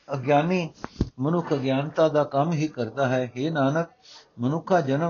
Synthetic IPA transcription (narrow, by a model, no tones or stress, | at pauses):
əɡjaːniːmənʊkʰəɡjaːnt̪aːd̪aːkəmɦiːkəɾd̪aːɦɛːɦeːnaːnək̚ | mənʊkʰaːd͡ʒənə